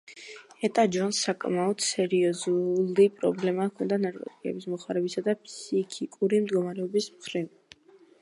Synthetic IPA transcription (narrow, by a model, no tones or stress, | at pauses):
ɛt̪ʼad͡ʒɔnsːakʼmaɔd̪̥sɛɾiɔzulipʼɾɔblɛmakʰɔnd̪anaɾkʼɔ̰t̪ʼikʼɛ̰bismɔχaɾɛbisad̪apʰsikʰikʼuɾimd̪ɡɔmaɾɛɔbismχɾiv